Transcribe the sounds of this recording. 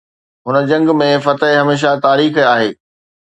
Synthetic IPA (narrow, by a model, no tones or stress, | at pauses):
ɦʊnə̆d͡ʑɐ̃ŋɡmẽfɐt̪əɦɦɐmeːʃ̬at̪aːɾiːxaːɦeː